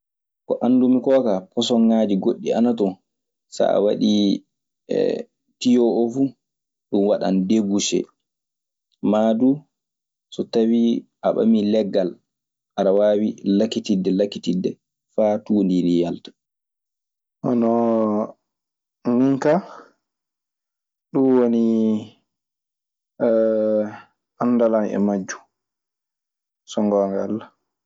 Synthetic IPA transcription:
kɔʔanːdumikɔkapɔsɔŋːad͡ʒiɡoɗːianatɔ | sa̰a̰wa̰ɗi | ɛ̰ | tijɔʔɔfu | ɗumwaɗa̰ndebusɛ̰ | maːdu | sɔtawiʔaɓa̰milɛɡːal | ʔaɾawaːwilakːitidːɛlakːitidːɛ | faːtuwndinijaltḁ | ʔɔnɔ | niŋka | ɗumwoni | anːdalanɛ̰mad͡ʒːu | sɔŋɡɔːŋɡalːa

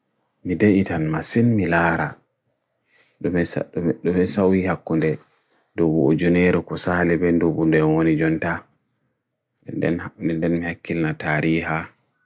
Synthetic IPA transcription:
mideʔitanmasinmilaːɾa | ɗɔmɛɗɔmɛsawihakːundɛ | duɓuud͡ʒuneɾukɔsaːlibɛnduɓundɛwonid͡ʒɔnta | ɛndɛ̰nanɛndɛnmihakːilnataɾiːha

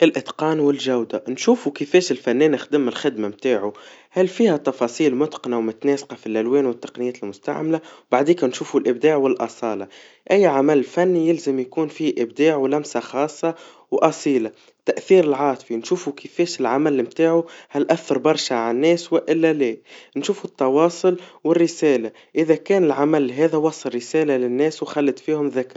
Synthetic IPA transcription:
ʔɪlʔɪt̪qɑːnwɪlʒawd̪anʃuːfukɪfɛːʃɪlfænːɛːnɪxd̪ɪmːɪlxɪd̪mamt̪aːʕuhælfiːhæt̪ˤːɑfɑsˤiːlmʊt̪qɑnawmʊt̪nɛːsqɑfilʔælwɛːnwɪt̪ːɑ̥qnɪjɛːt̪lmʊst̪a̰ʕmlabaʕd̪iːkænʃuːfulʔɪb̚d̪aːʕwɪlʔɑsˤɑːlɑ | ʔæjːʕamælfænːijɪlzɪmjkuːnfiːʔɪbd̪aːʕwlæmsaxɑːsˤːɑ | wʔɑsˤiːla | t̪æʔθiːɾɪlʕɑːt̪ˤfinʃuːfukʰɪfɛːʃɪlʕamælːmt̪aːʕuhælʔæθːɑɾˤbɑɾˤʃaʕanːɛːswɪʔɪlːælæːnʃuːfut̪ːɑwɑːsˤʊlwɪrːɪsɛːla | ʔɪðækɛːnɪlʕamælːɦɛːðæwɑsˤːɑrˤɪsɛːlalɪnːɛːswxælːət̪fiːhʊmðæk

